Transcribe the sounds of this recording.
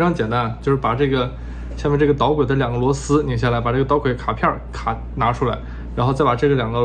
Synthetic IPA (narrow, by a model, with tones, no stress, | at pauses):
ʈ͡ʂʰɑ˥˧ŋt͡ɕjɛ˨˩nt̪a˥n˧t͡ɕjo˥˧ʊʂɻ̩˥˩pa˨˩ʈ͡ʂɤ˥˩ɡə˩ | ɕa˥˧mɛ˥ʈ͡ʂɤ˥˩ɡə˩t̪ɑ˧˥ʊkwe˨˩ɪd̪ə˦˥ljɑ˨˩ŋɡə˦lwɔ˧˥sɹ̩˥ni˧˩ŋɕ̬ja˥˩la˧˥ɪpa˨˩ʈ͡ʂɤ˥˩ɡə˩˧˥kʰwe˧˥ɪkʰa˨˩pʰjɑ˥˩kʰa˨˩ | na˧˥ʈ͡ʂʰu˥la˧ɪ | ɻa˧˥nxo˥˧ʊt͡sa˥˩ɪpa˨˩ʈ͡ʂɤ˥˩ɡə˩ljɑ˨˩ŋɡə˦